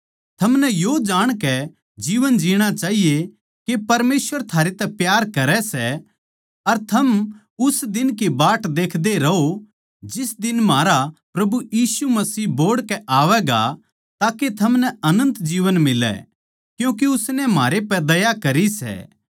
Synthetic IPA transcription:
t̪ʰɐmnɛjod͡ʒaːɽ̃kɛ | d͡ʒiːʋənd͡ʒiːɽ̃at͡ʃaːɦije | kepɐɾmeːsʋəɾt̪ʰaːɾet̪ɛpjaːɾkɐɾɛsɛ | ɐɾt̪ʰɐm | ʊsd̪ɪnk̬ibaːʈd̪eːkʰd̪eɾɐɦo | d͡ʒɪsd̪ɪnmaːɾapɾɐbujiːsumɐsiːboːɽkɛʔaːʋɛɡa̰ | t̪aːket̪ʰɐmnɛɐnə̃nt̪d͡ʒiːʋənmɪlːɛ̰ | kjũːk̬eʊsnɛmaːɾepɛd̪ɐjakɐɾisɛ̰ː

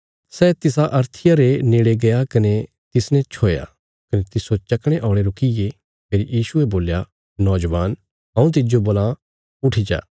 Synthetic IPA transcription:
sɛːt̪ɪsaʔɐɾt̪ʰɪjaɾeneːɽeɡɐjakɐne | t̪ɪsnɛ̃t͡ʃʰoːja̰ | kɐnet̪ɪsot͡ʃɐkɽ̃eʔɔ̃ːɽ̃eɾʊkije | pʰeːɾijiːsueboːlja | nɔːd͡ʒʋaːn | ɦɐ̃ũt̪̬ɪd͡ʒoboːlã | ʊʈʰid͡ʒa̰ː

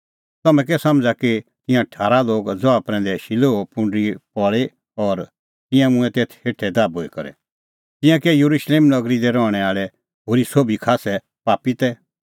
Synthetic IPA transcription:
t̪ɐmɛ̃k̬ɛsɐ̃md͡zakit̪ɪ̃jãʈʰaːɾaloːɡd͡zɔapɾɛ̃ːnd̪ɛʃɪloopʊ̃ɳɖɾipɔɭe | ɔːɾ | t̪ɪ̃jãmʊ̃ɛ̃t̪eːt̪ʰheːʈʰɛd̪aːboːikɐɾɛ̰ | t̪ɪ̃jãkɛjuɾuʃleːmnɐɡɾid̪ɛɾɔːɽ̃ɛaːɭɛ | ɦoːɾisoːbʱikʰaːsɛ | paːpit̪ɛ

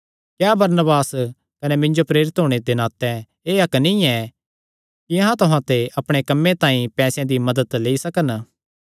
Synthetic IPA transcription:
kjaːbɐɾnəbaːs | kɐnemɪ̃ɲd͡ʒopɾeːɾɪt̪ɦoːɽ̃ed̪ɪnaːt̪ɛ̃ | eːɐknĩɛ | kiɐ̃ɦãt̪ʊɦãt̪eɐpɽ̃ekɐmːẽt̪ãːĩpɛːsjãd̪imɐd̪ət̪leːisɐkən

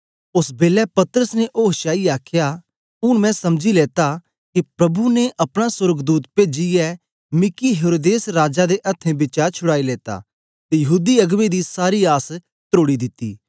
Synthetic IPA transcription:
ʊsbeːlɛpɐt̪ɾəsneʔoːɦʃaːiaːkʰja | ʊɽ̃mɛ̃sɐmd͡ʒileːt̪a | kipɾɐbuneʔɐpɽ̃asʊɾɡd̪uːt̪peːd͡ʒijɛ | mɪkiɦeːɾoːd̪eːsɾaːd͡ʒad̪eʔɐt̪ʰːẽbɪt͡ʃaːɾt͡ʃʰʊɽaːileːt̪a̰ | t̪ejɐɦuːd̪iɐɡmẽd̪isaːɾiaːs | t̪ɾoːɽid̪ɪt̪ːḭː

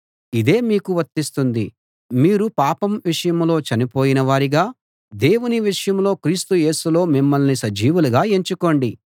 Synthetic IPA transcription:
id̪e̞ːmiːkuʋɐɾt̪ːist̪und̪i | miːɾupaːpɐmʋiʂɐjɐmlo̞ːt͡ʃɐnipo̞ːjinɐʋaːɾiɡaː | d̪e̞ːwuniʋiʂɐjɐmlo̞ːkɾiːst̪uje̞ːsulo̞ːmimːɐlnisɐd͡ʒiːʋuluɡaːe̞ɲt͡ʃuko̞ːɳɖi

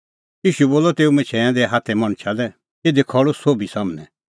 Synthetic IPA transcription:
jiːʃuboːlɔt̪eːumɪ̃t͡ʃʰɛãd̪ɛɦat̪ʰɛmɐɽ̃t͡ʃʰalɛ | eːd̪ekʰɔɭosoːbisɐmnɛ

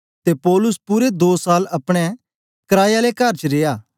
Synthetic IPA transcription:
t̪epɔːlʊspʊɾed̪oːsaːlɐpɽ̃ɛ | kɐɾaːjalekɐɾt͡ʃɾeːjaː

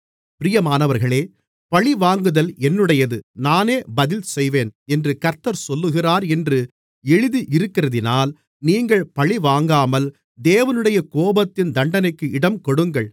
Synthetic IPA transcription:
pɪɾɪjɐmaːnɐʋɐɾɣɐɭeː | pɐɭiʋaːŋɡɯðɐlɛnːɯɽɐjɐðɯnaːneːbɐðɪlsɛjʋeːnɛndrɯkɐɾt̪ːɐɾsɔlːɯɣɪraːɾɛndrɯ | ɛɻɯðiʔɪɾɯkːɪrɐðɪnaːl | niːŋɡɐɭpɐɭiʋaːŋɡaːmɐl | d̪eːʋɐnɯɽɐjɐkoːbɐt̪ːɪnd̪ɐɳɖɐnɐɪkːɯɪɽɐmkɔɽɯŋɡɐɭ

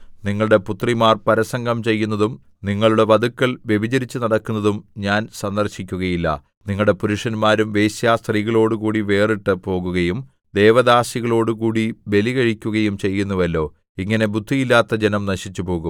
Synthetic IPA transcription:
niŋːɐɭɽe̞put̪rimaːrpɐɾɐsɐŋɡɐmt͡ɕe̞jːunːɐðum | niŋːɐɭuɽeʋɐd̪ukːɐɭʋje̞ʋid͡ʑɐɾit͡ɕːɨnɐɽɐkːunːɐðumɲaːnsɐnd̪ɐrɕikʲːuɣɐjilːɐ̰ | niŋːɐɭɽe̞puɾuʂɐnmaːɾumʋe̞ːɕjaːst̪riːɣɐɭo̞ːɽukuːɽiʋe̞ːriʈːɨpo̞ːɣuɣɐjum | d̪e̞ːʋɐd̪aːsiɣɐɭo̞ːɽukuːɽiʋe̞liɣɐɻikʲːuɣɐjumt͡ɕe̞jːunːuʋɐlːo̞ː | iŋːɐne̞bud̪ʱːijilːaːt̪ːɐd͡ʑe̞nɐmnɐɕit͡ɕːupo̞ːɣum

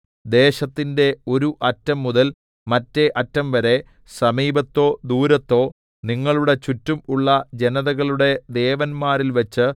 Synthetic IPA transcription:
d̪e̞ːɕɐt̪ːinde̞o̞ɾuʔɐtːɐmːuðɐl | mɐtːe̞ʔɐtːɐmʋɐɾe̞ | sɐmiːbɐt̪ːo̞ːd̪uːɾɐt̪ːo̞ː | niŋːɐɭuɽe̞t͡ɕutːumuɭːɐd͡ʑe̞nɐðɐɣɐɭuɽe̞d̪e̞ːʋɐnmaːɾilʋɐt͡ɕːɨ

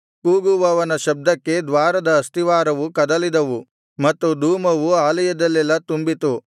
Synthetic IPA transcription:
kuːɡuʋɐʋɐnɐʃɐb̚d̪ɐkːe̞d̪ʋaːɾɐd̪ɐːst̪iʋaːɾɐʋukɐd̪ɐlid̪ɐʋu | mɐt̪ːud̪uːmɐʋuaːlɐjɐd̪ɐlːɛlːɐt̪umbit̪u

